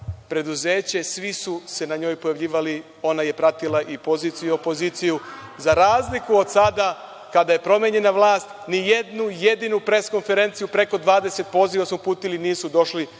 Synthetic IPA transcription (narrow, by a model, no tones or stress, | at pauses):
pɾe̞d̪uze̞ːt͡ɕe̞sʋisuse̞naɲo̞ːjpojaʋʎiːʋali | o̞naje̞pɾat̪ilˠaʔipo̞ziːt̪sijiuo̞po̞zit̪sijuzaɾaːzlikuo̞d̪sad̪a | kad̪aje̞pɾo̞mʲjeɲe̞naʋlˠaːst̪nije̞d̪nuje̞d̪inupɾe̞ːsko̞nfe̞ɾe̞ːnt̪sijupɾe̞ko̞d̪ʋaːd̪e̞se̞t̪̚po̞ːziʋasmupuːt̪iliniːsud̪o̞ʃli